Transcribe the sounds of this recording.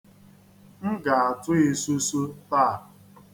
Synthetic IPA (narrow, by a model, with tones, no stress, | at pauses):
m̩˦ɡa˨a˨tʊ˦e˨su˦su˦ta˦˨